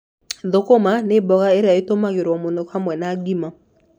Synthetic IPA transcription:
ðokomanebɔɣaeɾeaetomaɣeɾwɔmonokamwɛnaɡimɔ

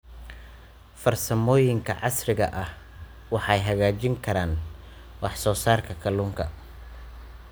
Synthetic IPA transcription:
fɐrsɐmɔːjɪŋkʰɐ̰ʕɑsrɪɣɐ̰ʔɐh | wɑħɑjɦɐɣaːt͡ʃɪŋkʰɐɾaːn | wɑħsɔːsaːrkʰɐkʰɐluːŋkʰɐ

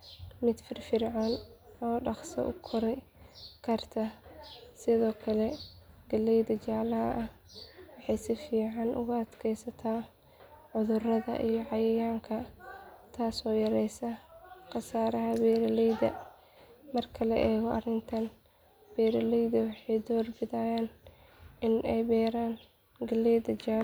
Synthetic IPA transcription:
mɪd̪fɪrfɪrʕanɔːɖɑχsɐ̰ʔʊkʰɔɾɛj | kʰɐrt̪ʰɐ | sɪðɔːkʰɐlɛ | ɡɐlɛjd̪ɐt͡ʃaːlɐɦɐ̰ʔɐh | wɑħɑjsɪfiːʕɑnʔʊ̰ɣʊɐd̪kʰɛjsɐt̪ʰaː | ʕʊðʊrɐðɐ̰ʔijɔʕɑjɐjaːŋkʰɐt̪ʰaːsɔːjɐɾɛjsɐqɑsaːɾɐɦɐbɛːɾɐlɛjðɐ̰ | mɐrkʰɐlɛʔɛːɣɔʔɐrɪnt̪ʰɐn | b̥ɛːɾɐlɛjðɐwɑħɑjd̪ɔːrbɪðajaːn | ɪnɛjbɛːɾaːn | ɡɐlɛjðɐt͡ʃaː

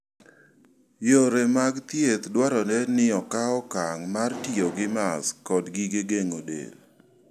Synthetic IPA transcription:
joɾemaɡt̪jet̪dwaɾɔnɛnɪɔkaɔkaŋmartɪjoɡɪmaskɔdɡiɡeɡeŋodḛl

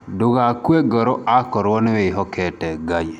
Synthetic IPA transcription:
doɣakwɛɡɔɾɔakɔɾwɔneweiɦɔkʰɛtɛɡai

